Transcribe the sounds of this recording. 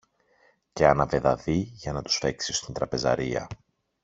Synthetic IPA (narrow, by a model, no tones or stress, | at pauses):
ce̞ɐnɐve̞ðɐðiʝɐnɐt̪u̥sfe̞ksist̪int̪ɾɐpe̞zɐ̰ɾiɐ̰